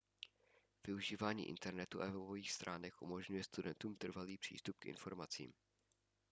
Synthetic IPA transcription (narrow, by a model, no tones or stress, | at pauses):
v̥ɪuʒiːvaːɲḭːʔɪ̰nt̪ɛɾnɛt̪uʔa̰vovoviːxst̪ɾʔaːnɛxʔumo̞ʒɲujɛst̪udɛnt̪uːmt̪r̩valiːpr̝̥ḭːst̪up̚kʔɪ̰nfo̞̰ɾmat͡sḭːm